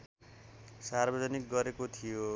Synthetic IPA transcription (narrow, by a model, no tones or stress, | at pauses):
sarbʌd͡zʌnik̚ɡʌɾekot̪ʰijo